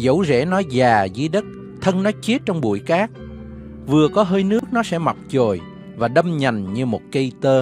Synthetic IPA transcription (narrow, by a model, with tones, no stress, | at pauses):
zə̰˧˥wzɛ̰˧˥nɔ˨˦zaː˨˩zɨ̰˧˦ɗə˦˥t̚ | t̪ʰə˧nnɔ˨˦t͡ɕi˦˥ət̚t͡ɕɔ˧wŋ͡mɓṵ˧˩jkaː˦˥k̚ | vɨ˨˩əkɔ˨˦ɦəː˧jnɨ˦˥ək̚nɔ˨˦sɛ̰˧˥ma˨˩k͡p̚t͡ɕo˨˩j | vaː˨˩ɗə˧mɲa˨˩jŋɲɨ˧mo˨˩t̚kə˧jt̪əː˧